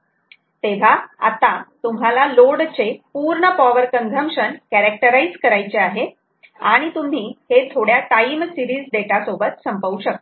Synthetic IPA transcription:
t̪eʋ̤aa̰t̪at̪um̤alaloɽt͡sepuːɾɳəpɔʋəɾkəŋɡʱəmɕənkæɾek̚ʈəɾaid͡zkəɾajt͡ɕeaɦe | aɽ̃it̪um̤iːhet̪ʰoɽjaʈaimsiɾiːd͡zɖeʈasobət̪səmpəuɕək̪̚

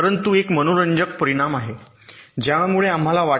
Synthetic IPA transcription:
əɾənt̪uekmənoɾəɲd͡ʑək̚pəɾiɽ̃amaɦe | d͡ʑjamuɭeam̤alaʋa

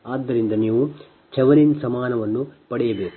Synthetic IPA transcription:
aːd̪ːɐɾind̪ɐniːʋu | t͡ʃʰɛʋɐninsɐmaːnɐʋɐnːupɐɽɛjɐbeːku

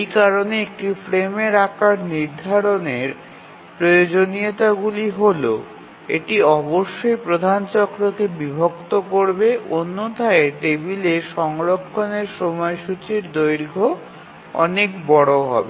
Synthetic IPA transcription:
ejkaɾoneek̚ʈifɾemeɾakaɾniɾd̪ʱaɾoneɾ | pɾojod͡ʑoniet̪aɡuliɦolo̰ | ḛʈiɔboʃːojpɾod̪ʱant͡ɕɔkɾokebibʱokt̪okoɾbeʔonːot̪aeʈebileʃɔŋɾokʰːoneɾʃomɔjʃut͡ɕiɾd̪ojɾɡʱo | ɔ̰nekbɔɽoɦɔ̰be

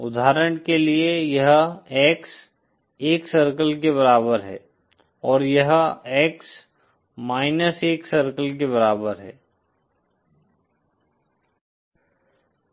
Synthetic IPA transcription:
ʊ̰d̪ʱaːɾəɽ̃keliejɐɦɛːks | eːksɐɾkəlkeβɐɾaːbəɾɦɛ̰ː | ɔːɾjɐɦɛːks | maːɪnəseːksɐɾkəlk̬eβɐɾaːbəɾɦɛ̰ː

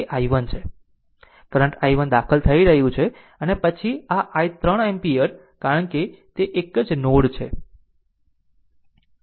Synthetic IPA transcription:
eʔajʋənt͡ʃʰe | kəɾə̃ɳʈajʋənd̪akʰəlt̪ʰəiɾəɦjũt͡ʃʰe | ənepət͡ʃʰiaʔajt̪ɾəɳempiəɾ | kaɾəɳket̪eʔekəd͡ʒnoɽt͡ʃʰe

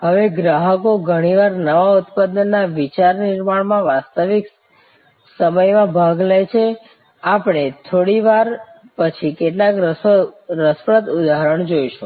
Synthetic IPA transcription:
ɦəʋeɡɾaɦəkoɡʱəɽ̃iʋaɾnəʋaʊt̪pad̪nːaʋit͡ʃaɾnɪɾmaɳmãʋast̪əʋik | səməjmãbʱaɡlajt͡ʃʰe | apɳ̃et̪ʰoɽiʋaɾ | pət͡ʃʰikeʈlak | ɾəspɾət̪ud̪aɦɾəɳ̃d͡ʒojʃũ

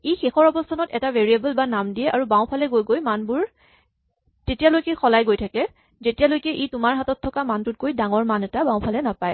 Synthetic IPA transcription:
ejxexɔɹɔbɔstʰanɔtɛtaveɹiabəlbanamdijɛʔaɹubaw̃pʰalɛɡojɡojmanbʊɹ | tetijalojkɛxɔlajɡojtʰakɛ | zetijalojkɛʔitʊmaɹɦatɔtʰːɔkamantʊt̚kojdaŋɔɹmanɛtabãwpʰalɛnapaj

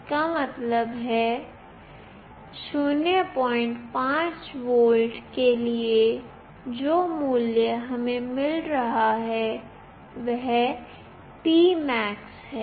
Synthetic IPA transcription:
kamɐt̪ləbɦɛ | sunepɔːɪ̃ɳʈpãːt͡ʃwoːlɖkelie | d͡ʒoːmuːljəɦɐmẽmɪlɾɐɦaɦɛ | ʋɛɦ | piːmɛːksɦɛː

